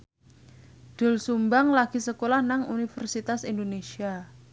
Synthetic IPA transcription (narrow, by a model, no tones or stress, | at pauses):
d̪̥ʊ̤lsumbaŋlaɡ̥i̤səkolahnaŋunifərsit̪asindonesia